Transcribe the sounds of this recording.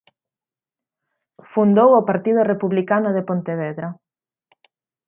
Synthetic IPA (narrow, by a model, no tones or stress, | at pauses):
fund̪owopaɾt̪ið̞ʊrepuβlikanʊðepont̪eβeðɾa